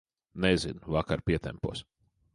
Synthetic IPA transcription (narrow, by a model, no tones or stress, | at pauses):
nɛzinvakaɾpʲiɛt̪ɛ̰mpṵɔs